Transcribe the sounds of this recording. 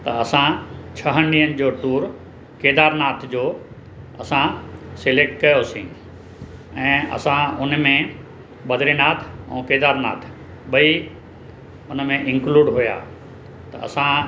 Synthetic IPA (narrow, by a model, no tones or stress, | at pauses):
t̪ɐɐsãt͡ɕʰɐɦəniənɪ̆d͡ʑoːʈuːɾ | keːd̪aːɾnaːt̪ʰd͡ʑoː | ɐsãseleːk̚ʈkɐjosĩː | ɛ̃ːɐ̰sãʊnmẽ | ɓɐd̪ʱɾinaːt̪ʰɛ̰̃ːkeːd̪aːɾna̰ːt̪ʰ | ɓɐi | ʊnəmẽʔɪ̃ŋkluːɖɦuja̰ː | t̪ɐ̰ʔɐ̰sã